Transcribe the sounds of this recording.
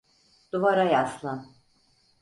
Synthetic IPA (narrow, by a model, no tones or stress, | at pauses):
d̪̥uvaɾajaslˠan